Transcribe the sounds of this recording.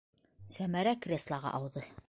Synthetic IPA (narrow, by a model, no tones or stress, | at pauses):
sæmæɾækrʲeslˠɑʁɑ̰ʔɑwðɤ